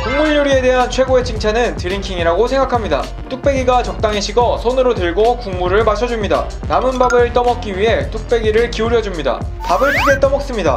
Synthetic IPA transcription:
kuŋmuʎːuɾie̞de̞ɦant͡ɕʰwe̞ɡoe̞t͡ɕʰɯŋt͡ɕʰanɯntɯɾiŋkʰiŋiɾaɡosʰe̞ŋɡakʰamɲida̰ | t͈uk̚p͈e̞ɡiɡat͡ɕʌk̚t͈aŋeɕʰiɡʌsʰonɯɾotɯɭɡokuŋmuɾɯɭmaɕʰʌd͡ʑumɲida̰ | namɯnbabɯɭt͈ʌmʌk̚k͈iɥiɦe̞t͈uk̚p͈e̞ɡiɾɯɭkiuɾjʌd͡ʑumɲida̰ | pabɯɭpʰuɡet͈ʌmʌk̚s͈ɯmɲida̰

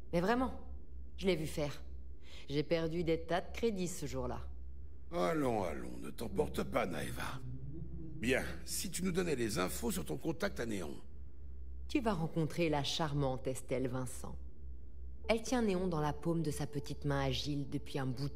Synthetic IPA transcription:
mɛvʁɛmɑ̃ | ʒəlɛvyfɛːʁ | ʒepɛʁd̪yd̪et̪ad̪əkχed̪isəʒuʁla̰ | alɔ̃a̰lɔ̰̃nə̰t̪ɑ̃pɔʁt̪əpana̰ḛva̰ | bjɛ̰̃ | sit̪ynud̪ɔnɛlezɛ̃fosyʁt̪ɔ̃kɔ̃t̪ak̚t̪aneɔ̰̃ | t̪yvaʁɑ̃kɔ̃t̪χelaʃaʁmɑ̃t̪ɛst̪ɛlvɛ̃sɑ̰̃ | ɛlt̪jɛ̃neɔ̃d̪ɑ̃lapomd̪əsapət̪it̪mɛ̃aʒild̪əpɥiɛ̃bu

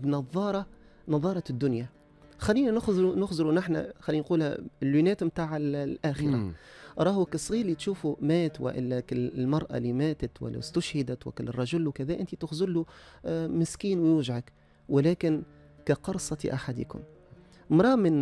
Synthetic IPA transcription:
bnɑðˤːɑːɾˤɑ | nɑðˤːɑːɾˤɑd̪ːʊnja | xalːiːnanʊxznʊxzɪɾunɪħna̰xalːiːnquːlha̰lːunæːt̪mt̪aːʕallʔaːxɪɾaʔɾˤɑːhwakɪsˤːɣiːɾlit̪ʃuːfumaːt̪wɪ̰ʔɪ̰lːakɪlmɑɾˤʔa̰lːimaːt̪at̪wɪ̰lːa̰st̪ʊʃhɪd̪at̪wɪ̰kɪlrˤːɑʒʊlwkaðæːʔɪnt̪it̪ɪxzʊlːu | mɪskiːnwjuːʒʕak | wɪlaːkɪn | kaqɑɾˤsˤɑt̪ʔaħad̪ḭːkʊ̰m | mɾˤɑːmɪn

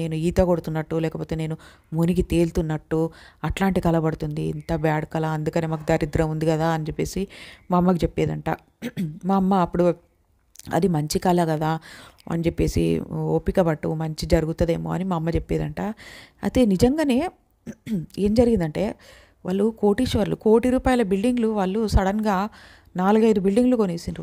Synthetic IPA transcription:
ne̞ːnuiːt̪ɐkoɽut̪unːɐʈːulɛːkɐpo̞ːt̪eːne̞ːnu | munikit̪e̞ːlt̪unːɐʈːuɐʈlaːɳʈikɐlɐbɐɽut̪und̪ḭːnt̪ɐbaːɽɐkɐlaɐnd̪ukɐneːmaːk̬ud̪ɐɾid̪ɾɐund̪ikɐd̪aːɐnid͡ʒepːe̞ːsimɐmːɐkit͡ʃepːeːd̪ɐɳʈa̰ː | maːɐmːɐːpːuɽu | ɐ̰d̪imɐɲt͡ʃikɐlɐɡɐd̪aːɐ̰nd͡ʒepːe̞ːsḭoːpikɐbɐʈːṵmɐɲt͡ʃid͡ʒɐɾuɡut̪ɐd̪e̞ːmo̰ːɐ̰nimɐmːɐt͡ʃepːeːd̪ɐɳʈaːɐ̰t̪e̞ːnid͡ʒɐŋɡaːne̞ː | e̞ːmd͡ʒɐɾiɡind̪ɐɳʈe̞ː | ʋa̰ːɭːuko̞ːʈiʃʋɐɾluko̞ːʈiɾuːpaːjɐlɐbilɖiŋɡluʋaːɭːusɐɽɐnɡaː | naːluɡɐjd̪ubilɖiŋɡlukoneːsind̪i

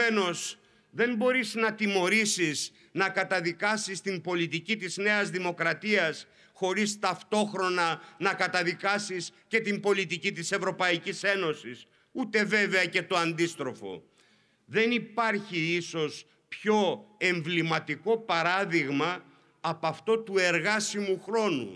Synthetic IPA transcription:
eno̞s | ðe̞mbo̞ɾiznɐt̪imo̞ɾisis | nɐkɐt̪ɐðikɐsist̪imbo̞lit̪icit̪izne̞ɐzðimo̞kɾɐt̪iɐs | xo̞ɾist̪ɐft̪o̞xɾo̞nɐnɐkɐt̪ɐðikɐsisce̞t̪imbo̞lit̪icit̪ise̞vɾo̞pɐicise̞no̞sis | ut̪e̞ve̞ve̞ɐce̞t̪o̞ɐnd̪ist̪ɾo̞fo̞̰ | ðe̞nipɐɾçiiso̞s | pço̞e̞ɱvlimɐt̪iko̞pɐɾɐðiɣmɐː | pɐft̪o̞t̪ue̞ɾɣɐsimuxɾo̞nṵ

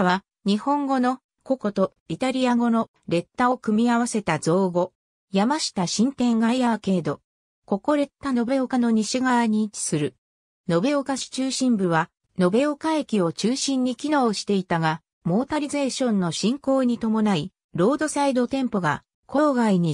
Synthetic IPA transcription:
βa | ɲ̟ihõ̞ŋɡo̞no̞ | ko̞ko̞t̪o̞ | it̪aɾʲiaɡo̞no̞ | ɾe̞t̪ːao̞kɯ̟mʲiaβase̞t̪azo̞ːɡo̞ | jamaɕi̥t̪aɕĩnt̪ẽ̞ŋɡaiake̞ːd̪o̞ | ko̞ko̞ɾe̞t̪ːano̞be̞o̞kano̞ɲ̟iɕiɡaβaɲ̟iːt͡ɕi̥sɨɾɯ̟ | no̞be̞okaɕi̥t͡ɕɨːɕĩmbɯβa | no̞be̞okaekʲio̞t͡ɕɨːɕĩɲ̟ːikʲino̞ːɕi̥t̪e̞it̪aɡa | mo̞ːt̪aɾʲize̞ːɕõ̞nːo̞ɕĩŋko̞ːɲ̟it̪o̞mo̞nai | ɾo̞ːd̪o̞said̪o̞t̪ẽ̞mpo̞ɡa | kʰo̞ːɡaiɲ̟i

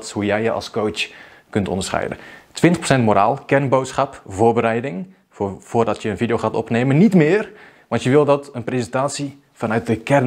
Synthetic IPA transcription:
thujɛjjəʔɑ̰lˠskowt͡ʃ | kɵntʰɔ̰ndəɹsχɛ̰jdə̰tʋɪntəχprosɛntmoɾa̰ːlˠkɛrnbowtsχɑpvoːɹbəɾɛjdɪŋ | vʊːrdɑtʰjəənvidejowxaːtɔ̰pneːmənitmɪːr | ʋɑntjəʋɪlˠdɑtənprezəntaːtsi | fɑnœɥt̚dəkɛr

